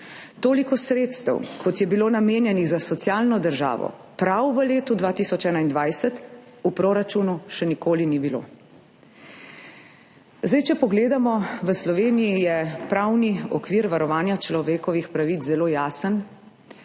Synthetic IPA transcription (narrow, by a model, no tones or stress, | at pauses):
t̪oːlikɔsɾeːt̪st̪ə̰wkʰɔt̪jɛbiloːnameːnjɛniɣzasɔt̪sjaːlnɔd̪əɾʒa̰ːʋɔ̰ | pɾawʋəleːt̪ud̪ʋaːt̪isɔt͡ʃɛːnaind̪ʋajsət̪ | upɾoːɾat͡ʃunuʃɛnikoːlinibilo̰ | zd̪ajt͡ʃɛpɔɡleːd̪amɔʋəslɔʋeːnijijɛpɾawniɔkʋiːɾʋaɾɔʋaːnjat͡ʃlɔʋeːkɔʋixpɾaʋit͡szɛloːjaːsən